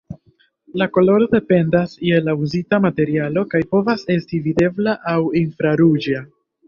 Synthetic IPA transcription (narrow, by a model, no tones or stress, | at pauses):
lako̞lo̞ɾo̞de̞pe̞ndasje̞lauzitamate̞ɾialo̞kajpo̞vase̞stivide̞blaʔawinfɾaɾud͡ʒa